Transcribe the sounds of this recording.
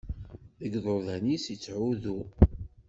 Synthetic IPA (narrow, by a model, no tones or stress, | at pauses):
ðəɡðˤoðænisit͡sːʕuðu